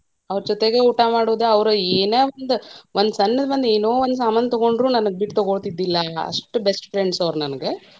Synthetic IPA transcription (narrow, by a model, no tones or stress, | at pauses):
ɐʋɾd͡ʒɔt̪eɡeuːʈamaːɽoːd̪eɐʋɾueːneːond̪ʋond̪sɐnːɐd̪ɐbɐnd̪eːnoːʋond̪saːmaːnɐt̪ɔɡo̞ɳɖɾuːnɐnɐɡebiʈt̪ɔɡoɭt̪id̪ːilːɐɐ̰ʂʈubesʈʈɾeɳɖsɐʋɾnɐnɡe